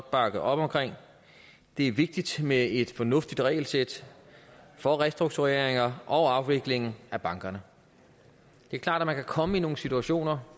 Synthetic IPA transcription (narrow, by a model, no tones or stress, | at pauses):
b̥ɑ̈ɡ̥ð̩ˠɒ̽b̥ɒ̽mkʰʁeŋ̰ | d̥e̝æɐʋe̝ɡ̥̚d̥id̥mee̝d̥fɒ̽nɔ̽fd̥id̥ʁɛ̰ɪl̩sed̥ | fɒ̽ʁɛsd̥ʁuɡ̥̚t͡sʰuʁeɐɐ̰eŋɐʔɒ̽ʊɑ̈ʊʋe̝ɡ̥le̝ŋn̩æb̥ɑ̈ŋɡ̥ɐnə | d̥e̝æɐkʰlɑ̰̈ːd̥æmænkʰækʰɒ̽məino̝ːŋ̩sit͡sʰuæɕo̝̰ːnɐ